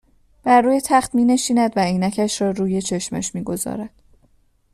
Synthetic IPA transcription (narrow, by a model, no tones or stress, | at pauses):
b̥æɾːuːjet̪ʰæχt̪miːne̞ʃiːnæd̪væejnæcʰæʃɾɒːɾuːje̞t͡ʃʰe̞ʃmæ̰ʃmiːɡo̞zɒ̰ːɾæd̪̥